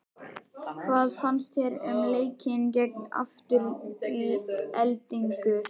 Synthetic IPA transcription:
kʰvaːðfanst̪ɛɾɛmleːjcʰɪncɛkna̰ft̪ʏɾiɛlt̪iŋkʏ

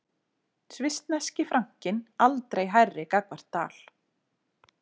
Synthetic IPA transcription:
svɪst̪nɛscɪfɾʔaŋ̥cɪnalt̪ɾejɦajrːɪkakvaɾ̥t̪ːa̰ːl̥

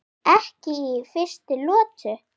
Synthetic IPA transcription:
ɛhcɪifɪ̥st̪ɪlɔːt̪ʏ

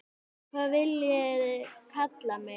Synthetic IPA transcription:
kʰvaːðvɪljɛðkʰat̪lamɪ

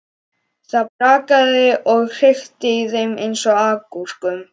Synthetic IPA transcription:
θaðpɾaːkaðɪʔɔɣr̥ɪxt̪ɪiðejmejnsɔakur̥kʏm

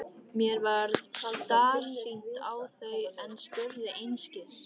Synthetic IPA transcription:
mjɛɾvaɾðθaðt̪aːɾ̥sint̪awθœɥɛnspʊɾðɪʔejnscɪɾ̥

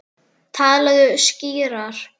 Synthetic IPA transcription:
t̪ʰaːðlɛɣʏsciːɾaɾ̥

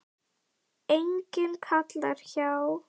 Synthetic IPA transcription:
ejɲcɪnkʰat̪laɾ̥çaw

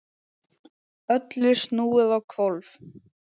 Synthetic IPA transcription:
œt̪lɪ̥snuːɪðawkʰvɔlv

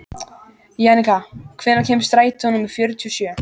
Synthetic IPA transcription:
jɛnɪkakʰvɪnːacʰɛːmst̪ɾaːjt̪ɪhɔnʏmiðfjœːɾʏt̪ʰiusjœː

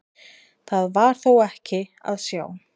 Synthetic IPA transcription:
θaðvaɾ̥θowɛhcɪa̰ðsja̰ːw

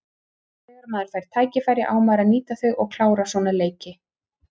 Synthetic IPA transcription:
ɛɣaɾmaːðʏɾ̥fajɾ̥t̪ʰaːjcɪfajɾjɪ̰ʔaːwmaɾaniːt̪aθʏɣɔɣkʰl̥aːwɾasɔnaleːjcɪ

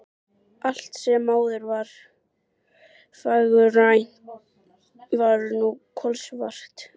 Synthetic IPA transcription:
al̥t̪sɛmːaːwðʏɾvaɾ̥ | faɣʏrajn̥ | vaɾnukʰɔlsvar̥t̪

